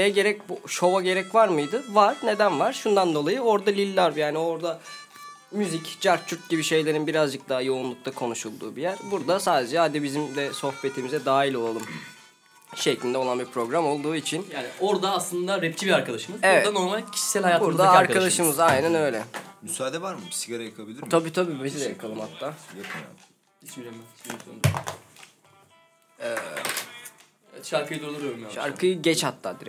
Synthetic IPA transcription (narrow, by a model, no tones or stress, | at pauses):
ejɛɟe̞ɾɛc̚buʃo̞vaɟe̞ɾɛcvaɾmɯjd̪ɯvaɾ̥ne̞d̪ænvaɾ̥ʃund̪and̪o̞lˠajɯo̞ɾd̪alʲilʲːaɾvjaːnio̞ɾd̪a | myzicd͡ʒaɾt͡ʃʰuɾt̪̚ɟibiʃe̞jlʲe̞ɾinbiɾazd͡ʒɯk̚d̪aɦajo̞unlˠuk̚t̪ʰakʰo̞nuʃulˠd̪uːbijæɾ̥buɾd̪asaːd̪ed͡ʒɛad̪ɛbizimd̪ɛso̞xpe̞t̪ʰimizɛd̪aːilʲo̞lˠalˠum | ʃeclʲind̪ɛo̞lˠanbiɾpʰɾo̞ɡɾamo̞lˠd̪uːit͡ʃʰinjaːnioɾd̪aːslˠɯnd̪aɾɛpt͡ʃʰibiɾaɾkad̪aʃɯmɯzevɛd̪ano̞ɾmalʲcʰi̥ʃi̥sælʲhajaːtb̪uɾd̪aaɾkʰad̪aʃɯmɯzajnanø̞jlʲɛmysaːd̪ɛvaɾmɯsiɡaɾajakʰabilʲiɾt̪ʰabiːt̪ʰabiːbezid̪ɛjakʰalˠɯmhat̪ʰːaː | ɛ | ɛʃaɾkɯjd̪uɾolˠuɾjoɾmjaʃa̰ɾkʰɯjɯɟɛt͡ʃhat̪ʰːaːd̪iɾ